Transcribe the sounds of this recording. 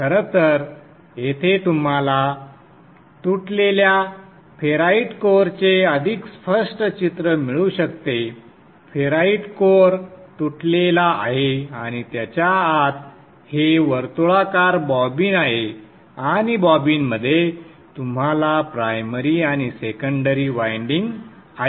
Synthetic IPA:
kʰəɾət̪əɾ | jet̪ʰet̪um̤ala | t̪uʈlelja | feɾaiʈkoɾt͡seəd̪ʱikspəʂʈət͡ɕit̪ɾəmiɭuɕəkt̪e | feɾaiʈkoɾt̪uʈlelaʔaɦeaɽ̃it̪jat͡ɕjaat̪ | heʋəɾt̪oɭakaɾbɔbinaɦe | añibɔbinməd̪ʱːje | t̪um̤alapɾajməɾiaɽ̃isekəɳɖəɾiʋajɳɖiŋɡ | aɦe

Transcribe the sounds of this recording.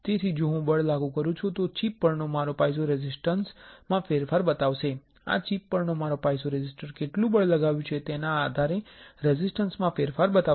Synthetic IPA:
t̪et̪ʰid͡ʒoɦũbəɭlaɡũkəɾũt͡ʃʰut̪ot͡ʃipːəɾnomaɾopajs̬oɾɛzɪsʈənsmãfeɾfaɾbət̪aʋʃe | a̰t͡ʃipːəɾnomaɾopajsoɾed͡ʒɪsʈəɾkeʈlũbəɭləɡaʋjũt͡ʃʰet̪enaːd̪ʱaɾeɾɛzɪsʈənsmãfeɾfaɾbət̪a

